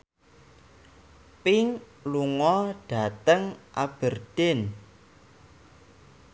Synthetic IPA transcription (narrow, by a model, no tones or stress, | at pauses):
pɪŋ | luŋɔɖ̥a̤t̪əŋʔab̥ə̤rd̥en